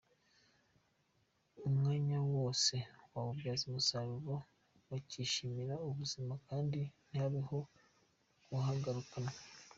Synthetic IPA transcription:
umŋaːɲawoːse̞waβuβjaːzimusaβuβo | waciʃimiɾauβuzimakaːndinihaβiho̞ | ɡuɦaɡaɾukana

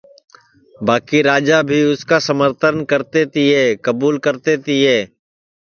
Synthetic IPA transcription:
baːkiɾaːd͡ʒabʱiʊskasəməɾt̪ʰəɾnkɐɾt̪et̪iɦɛːkɐbuːlkɐɾt̪et̪iɦɛː

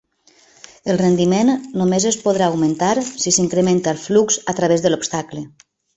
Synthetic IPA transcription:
əlˠrend̪imenːomezespoð̞ɾaːwmẽnt̪aɾsisiŋkɾement̪alˠflukz̥at̪ɾaβezðəlopst̪aklə

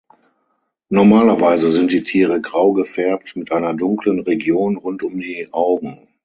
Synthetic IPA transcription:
nɔɐmaːlɐvaɪzəzɪnt̚d̥iːtʰiːʁəɡʁaʊɡəfɛɐp̚tmɪtʔaɪnɐdʊŋklənʁeɡjoːnʁʊntʊmdiːʔaʊɡŋ̩

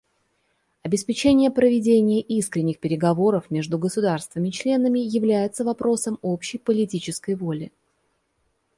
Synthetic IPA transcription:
ɐbʲɪspʲɪt͡ɕenʲɪjəpɾəvʲɪdʲenʲɪjəʔiskɾʲɪnʲːɪxpʲɪɾʲɪɡɐvo̞ɾəfmʲe̞ʐd̪ʊɡəsʊd̪arst̪vəmʲɪt͡ɕlʲe̞nəmʲɪjɪvlʲæjɪt̪səvɐpɾo̞səmo̞pɕːɪjpəlʲɪtʲit͡ɕɪskəjvo̞lʲɪ

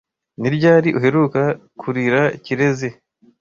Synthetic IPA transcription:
niɾɟaːɾiʔuɦe̞ɾuːkakʰuɾiɾaiciɾe̞ze̞

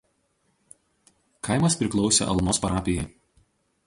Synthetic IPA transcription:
kʰɐˑɪmɐspʲɾʲɪklˠɒʊsʲḛːʔɐ̰lˠnoːspɐɾɑːpʲɪjɛɪ

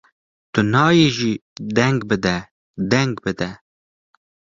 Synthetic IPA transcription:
t̪ʊnɑːjeːʒiːd̪ɛŋɡbɨd̪ɛ | d̪ɛŋɡbɨd̪ɛ

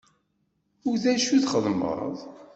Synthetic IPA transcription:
ʊɾðæʃuðχəðˤmə̰ðˤ

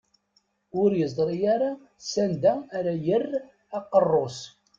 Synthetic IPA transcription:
ʊɾjəzˤɾˤijaɾa | sænd̪æːɾæjərː | ɑqːərˤːos

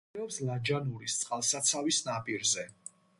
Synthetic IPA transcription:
ɛɔpslad͡ʒanuɾist̪sʼqʼalˠsat̪sʰavisnapʼiɾzɛ

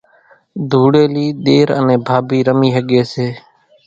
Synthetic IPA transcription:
d̪ʱuːɽeːliːɗ̪eːɾə̰nẽːbʱaːbiːɾəmiːɦəɠeːseː

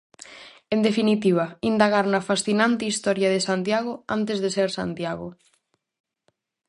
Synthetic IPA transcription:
end̪efinit̪iβ̞ɐind̪aɣaɾnɐfasθinant̪ɪist̪ɔɾjɐðesant̪jaɣ̞ʊant̪ezðeseɾsa̰nt̪jaɣʊ̰

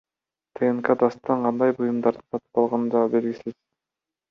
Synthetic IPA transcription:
t̪ʰeenkad̪ɑst̪ːɑɴqʰɑnd̪ɑjbujumd̪ɑɾd̪ɯsɑt̪ɯ̥pɑlˠʁɑnɯnd͡ʒ̪ɑbe̞lɡisiz̥

